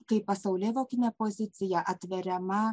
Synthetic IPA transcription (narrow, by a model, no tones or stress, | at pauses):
kɐɪppɐsɐʊlʲɛʋoːkʲɪnʲɛpozʲɪt̪sʲɪjɛʔɐt̪ʲʋʲɛɾʲɛmɐ